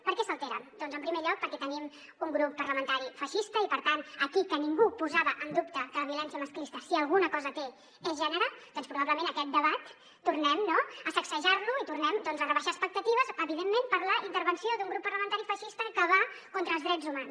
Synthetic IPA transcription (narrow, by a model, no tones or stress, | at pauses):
pəɾkɛsəlˠt̪eɾə̰md̪̥ɔnzəmpɾimeʎɔk̚pəɾkɛt̪ənim | uŋɡɾupːərləmənt̪aɾifəʃist̪əipəɾt̪anəkikəniŋɡupuzaβəʔənd̪upt̪əkələβiulɛnsijəməsklist̪əsiəlˠɣunəkɔzət̪e | ɛzʒɛnəɾəd̪̥ɔnspɾuβaβləmẽnəkɛt̪̚d̪əβat̪ː | urnɛmnoəsəksəʒarnuit̪uɾnɛmd̪ɔnzərəβəʃaəspək̚t̪ət̪iβəzəβiðemːempəɾləʔint̪əɾβənsiod̪uŋɡɾupːəɾrləmənt̪aɾifəʃist̪əkəβa | kont̪ɾəːlˠzðɾɛd͡zzumans